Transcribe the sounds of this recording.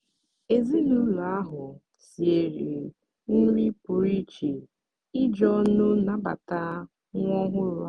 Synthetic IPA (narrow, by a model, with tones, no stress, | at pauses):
e˨zi˦nu˦lu˨a˦ɦʊ˨ | si˨e˨ɾi˨ | n̩˦ɾi˦pʊ˨ɾi˦t͡ʃi˨ | ɪ˦d͡ʒɔ˦nʊ˦na˨ba̰˨ta˦ | ŋʷ˦ɔ˦ɦʷʊ˦ɾʊ˦a˦